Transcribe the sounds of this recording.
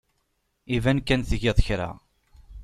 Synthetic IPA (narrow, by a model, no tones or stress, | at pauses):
ivænkːænθʝɪðˤəçɾa̰